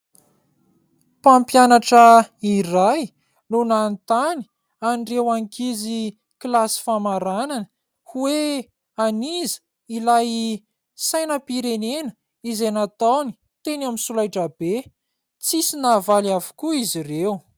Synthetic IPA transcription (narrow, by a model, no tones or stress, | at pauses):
pampjanaʈ͡ʂəiraj | nunant̪ani̥ | anɖ͡ʐewaŋkizi | klasi̥famaɾananə | huwe | anizə̥ | ilaj | sajnəpiɾenenə̥ | izejnat̪awni̥ | t̪enaminsulajʈ͡ʂəb̥e | t͡sisinavaliavu̥kuizirew